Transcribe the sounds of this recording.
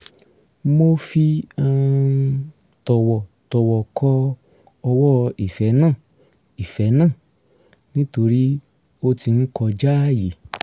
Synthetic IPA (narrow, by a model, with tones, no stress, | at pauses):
mo˧fi˧a˧ | tɔ˨wɔ˨tɔ˨wɔ˨kʰɔ˧˦ | ɔ˧wɔ˦i˨fɛ˨˦nãː˦˨ | i˨fɛ˨˦nãː˦˨ | nĩ˦to˧ɾi˦ | o˧ti˧n̩˦kɔ˧d͡ʒa˦ji˨